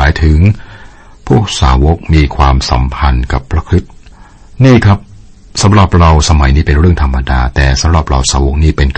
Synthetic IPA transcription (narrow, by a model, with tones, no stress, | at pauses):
aː˩˦jt̪ʰɯ˩˦ŋ | pʰuː˥˩ək̚saː˩˦wo˦˥k̚miː˧kʰwaː˧msa̰˩˦mpʰa˧nka˨˩pʰːɾa˧˦kʰɾi˦˥t̪̚ | niː˥˩kʰɾa˦˥p̚ | sa˨˦mɾa˨˩p̚ɾa˧wsa˧ma˩˦jniː˦˥pe˧nɾɯ˥˩əŋt̪ʰa˧mːa˧daː˧t̪ɛː˨˩sa˩˦mɾa˨˩p̚ɾa̰˧wsaː˩˦wo˦˥k̚niː˦˥˩pe˧nk